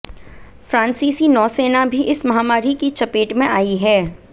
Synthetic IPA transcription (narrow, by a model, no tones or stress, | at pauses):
fɾãːnsiːsinɔːseːnabʱiʔɪsmɐɦaːmaːɾikit͡ʃɐpeːʈmẽʔaːiɦɛː